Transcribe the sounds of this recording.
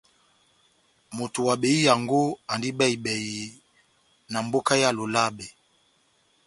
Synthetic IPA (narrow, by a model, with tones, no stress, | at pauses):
mo˨tu˨wa˨ɓe˨i˦ja˨ŋɡo˦a˨ndi˦bɛ˦i˨ɓɛ˨ji˨ | na˨mbo˦ka˦ja˦lo˨la˦bɛ˨